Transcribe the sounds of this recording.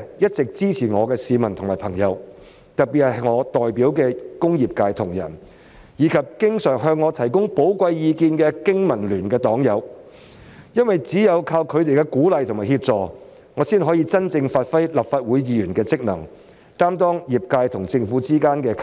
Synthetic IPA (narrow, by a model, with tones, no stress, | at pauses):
jɐ˥t̚t͡sɪ˨k̚t͡siː˥t͡sʰiː˨˩ŋɔː˨˧kɛː˧siː˨˧mɐ˨˩nt̪ʰʊ˨˩ŋmaː˨˩pʰɐ˨˩ŋjɐ˨˧w | t̪ɐ˨t̚piː˨t̚hɐ˨˩˨ŋɔː˨˧t̪ɔː˨jpiː˨˥wkɛː˧kʊ˥ŋjiː˨˩p̚kaː˧jt̪ʰʊ˨˩ŋjɐ̰˨˩n | jiː˨˧kʰɐ˨p̚kɪ˥ŋsœː˨˩ɦœː˧ŋːɔː˨˧t̪ʰɐ˨˩jkʊ˥ŋpo˨˥wkʷɐ˧jjiː˨˧kiː˧nkɛː˧kɪ˥ŋmɐ˨˩nlyː˨˩nkɛː˧t̪ɔː˨˥ŋjɐ˨˧w | jɐ˥nwjt͡siː˨˥jɐ˨˧wkʰaː˧wkʰɵ˨˧ɥt̪e˨jkɛ˧kuː˨˥lɐ˨jt̪ʰʊ˨˩ŋmaː˨˩hiː˧p̚t͡sɔː˨ | ŋɔː˨˧siː˥nɦɔː˨˥jiː˧t͡sɐ˥nt͡sɪ˧ŋfaː˧t̚fɐ˥jlɐ˨˩p̚faː˧t̚wuː˨˥jːiː˨˧jyː˨˩nkɛː˧t͡sɪ˥k̚nɐ˨˩ŋ | t̪aː˥mt̪ɔː˥ŋjiː˨˩p̚kaː˧jt̪ʰʊ˨˩ŋt͡sɪ˧ŋfuː˨˧˥t͡siː˥kaː˥nkɛː˧kʰ